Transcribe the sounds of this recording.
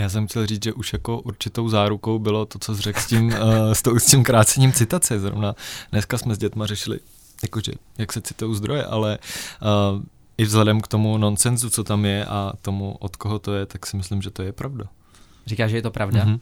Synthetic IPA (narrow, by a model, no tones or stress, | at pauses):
jaːs̬ɛmxcɛlriːt͡sʒɛʔuʃjako̞ʔuɾt͡ʃɪt̪o̞wzaːɾuko̞wbɪlo̞t̪o̞t͡sozr̝ɛkscimst̪owscimkɾaːt͡sɛɲiːmt͡sɪt̪at͡sɛzɾo̰vnadnɛskasmɛzɟɛt̪marɛʃɪlɪ̰ | jakoʒɛ̰ | jaksɛt͡sɪ̥t̪ojowzd̪ɾo̞jɛ̰ʔa̰lɛ | ʔɪvzɦlɛdɛmkt̪o̞muno̞nt͡sɛnzut͡so̞t̪amjɛʔat̪o̞muʔot̪koɦot̪o̞jɛt̪aksɪmɪslɪmʒɛt̪ojɛpɾavda | rikaːʒɛjɛt̪opɾavda